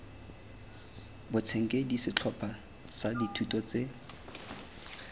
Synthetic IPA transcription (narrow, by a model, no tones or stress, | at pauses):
bʊt͡sʰeŋ̩kʼedisɪt͡ɬʰɔpʰʼa | saditʰutɔt͡se